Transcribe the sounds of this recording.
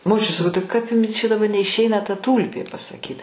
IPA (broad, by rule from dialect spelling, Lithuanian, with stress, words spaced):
moːˈt͡ʃʲʊt sɐˈkɐʊ tɐɪ ˈkɐp ˈjʊmʲɪ t͡ʃʲɛ dɐˈbɐ nʲɛɪʃʲˈɛɪnɐ tɐ ˈtuːlʲpʲeː pɐsɐˈkʲiːt